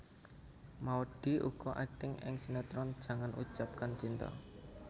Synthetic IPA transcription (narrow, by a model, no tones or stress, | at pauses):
maoɖ̥i̤ʔṵɡ̥ɔʔaɖ̥ɪŋɪ̰ŋsinɛt̪ɾɔnd̥ʒ̥a̤ŋanʔṵt͡ʃap̚kant͡ʃint̪ɔ̰